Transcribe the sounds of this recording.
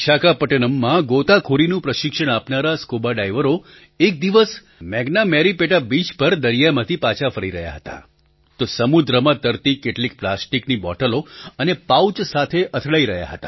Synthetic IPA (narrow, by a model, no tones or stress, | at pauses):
ʃakapəʈenəmːãɡot̪akʰoɾinũpɾəʃɪkʃəɽ̃apnaɾaskobaɖajʋəɾo | ek̚d̪iʋəs | mɛɡnamɛɾipeʈabid͡ʒpəɾd̪əɾijamãt̪ʰipat͡ʃʰafəɾiɾəɦja̰ɦət̪a̰ | t̪osəmud̪ɾəmãt̪əɾt̪ikeʈlik̚plasʈiknibɔ̰ʈəloənepawt͡ʃsat̪ʰeʔət̪ʰɭaiɾəɦja̰ɦət̪a̰